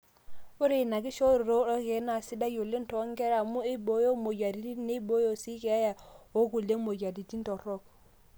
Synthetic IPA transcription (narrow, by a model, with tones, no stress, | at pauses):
u˦ɾi˨na˨ɡi˦ʃo˦ɾi˨ɾo˦ɾɔ˦ke˨˦na˨si˦da˦jo˨lːe˦nto˨˦ŋɡe˦ɾa˨mu˦i˦bo˨jo˦mo˨d͡ʒa˨ɾi˨˦ti˦ne˦bo˦jo˦˨si˦ke˨a˦ja˨o˦ɡu˨le˦mo˨ɟa˨di˨ti˦n˦to˨ɾɔ˦k̚